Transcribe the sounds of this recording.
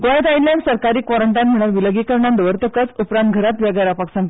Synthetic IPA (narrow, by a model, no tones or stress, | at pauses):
kõẽt̪ailljansəɾkaɾiːkʋɔɾəɳʈanm̤əɽ̃əlʋiləɡiːkəɾɳãnd̪əʋəɾt̪əkət͡supɾãnt̪̚ɡʱəɾat̪ʋjaɡaɾapaksãnt̪